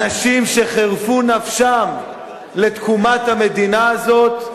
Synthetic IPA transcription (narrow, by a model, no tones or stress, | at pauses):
aʃimʃe̞χeʁfunafʃam | le̞t̪kumat̪hame̞d̪inaːzo̞t̪